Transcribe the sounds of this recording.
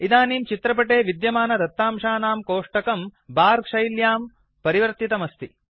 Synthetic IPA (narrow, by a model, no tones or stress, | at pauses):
id̪aːniːmt͡ʃit̪ɾɐp̬ɐʈeːʋid̪jɐmaːnɐd̪ɐt̪ːaːmʂaːnaːmkoːʂʈɐkɐmbaːɾkʂɐjljaːm | pɐɾiʋɐɾt̪it̪ɐmɐst̪i